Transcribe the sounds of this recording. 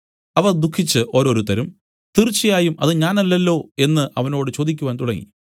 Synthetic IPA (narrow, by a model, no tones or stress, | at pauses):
ɐʋɐrd̪ukʰːit͡ɕːɨʔo̞ːɾo̞ːɾut̪ɐɾum | t̪irt͡ɕːijaːjumɐðɨɲaːnɐlːɐlːo̞ːe̞nːɨʔɐʋɐno̞ːɽɨt͡ɕo̞ːd̪ikʲːuʋaːnt̪uɽɐŋːḭ